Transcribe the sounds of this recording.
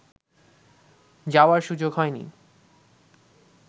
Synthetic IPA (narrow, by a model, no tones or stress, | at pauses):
d͡ʑaoaɾʃud͡ʑoɡɦɔenḭ